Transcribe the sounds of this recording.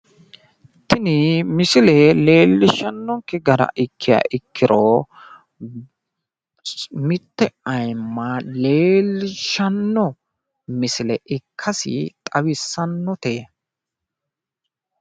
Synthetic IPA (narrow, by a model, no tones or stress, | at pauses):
t̪ɪnɪmɪsɪlɛle̞ːlːɪʃːɐnːɔŋkːɛɡɐɾɐ̰ʔɪkʰːɪja̰ːʔɪkːɪɾɔ | mɪt̪ːɛɐjmːɐleːlːɪʃɐnːɔ | mɪsɪlɛʔɪkʰːɐsɪ̰t̪ʼɐwɪsːɐnːɔt̪eː